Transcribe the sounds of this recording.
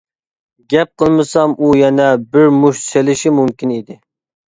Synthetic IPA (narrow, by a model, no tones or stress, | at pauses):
ɡʲɛp̚qʰəlˠmɨsɑmʔujɛnɛbɪɾmuʃselɪʃimumkʲinid̪ɪ